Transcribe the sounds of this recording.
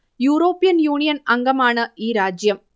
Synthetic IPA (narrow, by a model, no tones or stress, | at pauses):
juːɾoːpːɪjɐnjuːnɪjɐnɐŋɡɐmaːnɐʔiːɾaːd͡ʒjɐm